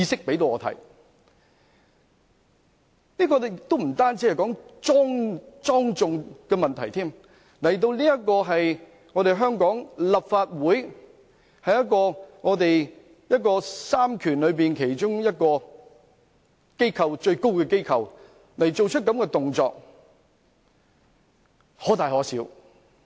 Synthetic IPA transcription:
iː˧sɪ˥k̚pe˨˥jt̪̬o˧wɔː˧t̪ʰɐ̰˨˥j | niː˥kɔː˧˨k̚t̪o˥m̩˨˩t̪aː˥nt͡siː˧hɛ˨jkɔː˨˥ŋt͡sɔː˥ŋt͡sɔː˥ŋt͡sʊ˨ŋkɛː˧mɐ˨nt̪ʰɐ˨˩jt̪ʰiː˥m | lɐ˨˩jt̪̬o˧wliː˥jɐ˥t̚kɔː˧ɦɐ˨j | ŋɔː˨˧ɾe˨jɦœː˥ŋkɔː˨˥ŋlɐ˨pfaː˧t̚wuː˨˥j | hɐ˨jɐ˥t̚kɔː˧ŋɔː˨˧t̪e˨j | jɐ˥t̚kɔː˧saː˥mkʰyː˨˩nlɵ˨˧ɥpiː˨nkʰe˨˩jt͡ʃʊ˥ŋjɐ˥t̚kɔː˧ | ke˥jkʰɐ˨wt͡ʃɵ˧ɥko˥wkɛː˧ke˥jkʰɐ˨w | lɐ˨˩jt͡ʃo˨wt͡ʃʰt̚kːɐ˨˥mkɛ˧t̪ʊ˨ŋt͡sɔː˧k̚ | hɔː˨˥t̪aː˨jhɔː˨˥siː˨˥w

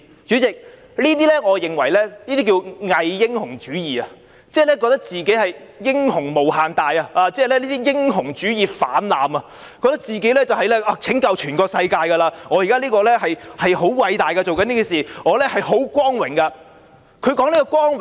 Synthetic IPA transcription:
t͡syː˨˥t͡sɪ˨k̚ | liː˥t̪̬iː˥lɛ˥ŋɔː˨˧jɪ˨˩ŋwɐ˨˩jlɛː˥liː˥t̪i˥k̬iː˧wŋɐ˨jːɪ˥ŋhʊ˨˩ŋt͡ʃyː˨˥jiː˨ɐ˧ | t͡sɛː˥˩lɛː˥kɔː˧kt̪ɐ˥k̚t͡siː˨ke˨˥jhɐ˨jjɪ˥ŋhʊ˨˩ŋmo˨˩wɦaː˨nt̪aː˨˧jɐ˧aː˨˧t͡sɛː˥˨lɛː˥liː˥t̪iː˥jɪ˥ŋhʊ˨˩ŋt͡ʃyː˨˥jiː˨fa̰ː˨˥nla̰ː˨mɐ˧ | kɔ˧kt̪k̚t͡siː˨˩ke˨˥jlɛː˥t͡sɐ˨whɐ˨jlɛ˥ʔaː˧t͡sʰɪ˨˥ŋkɐ˨˧wt͡ʃʰyː˨˩nkɔː˧ksɐ˧jkaː˧jkɐ˧laː˧ŋɔː˨˧jiː˨kaː˥liː˥kɔː˧lɛ˥ɦɐ˨jhɐ˨jho˨˥wkwɐ˧jt̪aː˨jkɐ˧t͡so˨wkɐ˦niː˥ki˨˩nsiː˨˩ŋɔː˨˧lɛ˥hɐ˨jho˨˥wkʷɔː˥ŋwɪ˨˩ŋkɐ˧ | kʰɵ˨˧ɥkɔː˨˥nliː˥kɔː˧kʷwɔː˥ŋ˨

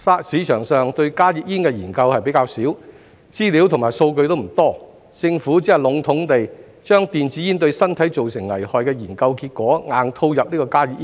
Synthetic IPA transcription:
saː˥siː˨˧t͡ʃʰœː˨˩ŋsœː˨ŋt̪ɵ˧ɥkaː˥ji˨˥k̚jiː˥nkɛ˧jiː˨˩nkɐ˧whɐ˨jpe˨˥jkaː˧wsiː˨˥w | t͡siː˥li˨˥wt̪ʰʊ˨˩maː˨˩jso˧wkɵ˧ɥt̪wm̩˨˩t̪ɔː˥ | t͡sɪ˧ŋfuː˨˥t͡siː˨˥ɐ˨˩lʊ˨˥ŋt̪ʰʊ˨˥ŋt̪e˨j | t͡ʃœː˥ŋt̪iː˨nt͡siː˨˥ji˥nt̪ɵ˧ɥsɐ˥nt̪ʰɐ˨˥jt͡so˨wsɪ˨˩ŋlɐ̰˨˩jhɔː˨jkɛː˧jiː˨˩nkɐ˧wkiː˧t̚kʷɔː˨˥ŋaː˨˧nt̪ʰo˧wjɐ˨p̚liː˥kɔː˧kaː˥ji˧˥k̚iː˥

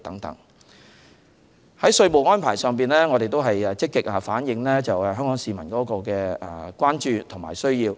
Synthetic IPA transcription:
t̪ɐ˨˥ŋt̪ɐ̰˨˥ŋ | hɐ˨˥jsɵ˧ɥmo˨˩wŋɔː˥npʰaː˨˩jsœː˨˧ŋpiː˨˩nlɛː˥ŋɔː˨˧ɾe˨jt̪o˥wɦɐ˨jɛ˨t͡sɪ˥kːɪ˨k̚ɐː˨faː˨˥njɪ˨˧ŋlɛː˥t͡sɐ˨wɛ˨ɦœː˥ŋkɔː˨˥ŋsiː˨mɐ˨˩nkɔː˨˥kɔː˧kɛ̰ː˧˨kwaː˥nt͡ʃyː˨˧t̪ʰʊ˨˩ŋma̰ː˨jsɵ˥ɥjiː˧w

